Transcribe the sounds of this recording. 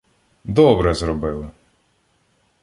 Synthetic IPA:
d̪ɔbɾɛzɾɔbɪlˠɪ

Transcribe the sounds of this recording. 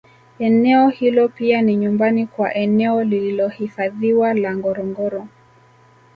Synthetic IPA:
ɛnɛɔhilɔpianiɲumbanikwaʔɛnɛɔlililɔhifaðiwalaŋɡɔɾɔŋɡɔɾɔ

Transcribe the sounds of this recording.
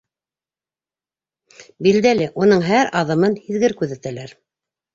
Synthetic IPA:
bild̪ælɘʔunɤɴɦæɾɑðɤ̆mɤnhiðɡɘɾkʉðæt̪ælæɾ

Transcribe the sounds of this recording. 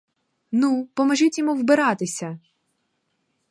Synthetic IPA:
nupɔmɐʒitʲjɔmuwbɪɾɑt̪ɪsʲɐ

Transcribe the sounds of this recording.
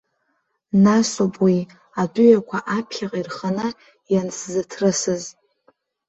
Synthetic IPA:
nasopʼwi | adʊjakʷʰaʔapʰχʲaqʼirχəna | janszɨtʰrɨsɨz

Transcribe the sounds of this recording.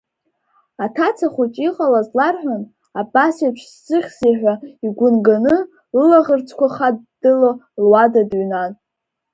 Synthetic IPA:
atʰat͡sʰaχut͡ʃʼiqʼalazlarħᶣʷan | abasipʷʰsːɨχʲsiħᶣʷaiɡʷʊnɡanɨ | lɨlaʁərt͡sʰkʷʰaχad̚dɨlolwadadɥnatʼ

